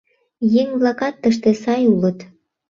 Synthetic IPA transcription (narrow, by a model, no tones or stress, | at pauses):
jeŋβlɑkɑt̪ːəʃ̬t̪esɑjulət̪